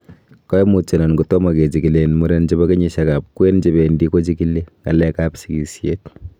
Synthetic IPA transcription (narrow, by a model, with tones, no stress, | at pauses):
kɔ˦jmu˨t͡ʃe˨nɔ˨nku˨tɔ˦ma˨ke˨t͡ʃi˨ki˨lenmu˦ɾent͡ʃebɐke˦ɲi˦ʃaka˨p̚kwe˦nt͡ʃe˦bendi˦ko˦t͡ʃi˦kilːe˦ŋɡɐ̰˨lɛkapsiki˨sjet̚